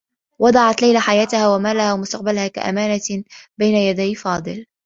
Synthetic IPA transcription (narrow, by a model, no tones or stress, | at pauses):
wɑd̪ˤɑʕɑt̪lajlaħajaːt̪ahaːwamaːlahaːwamʊst̪aq̚balhaːka̰ʔa̰maːnabajnajad̪ajfɑːd̪ˤɨl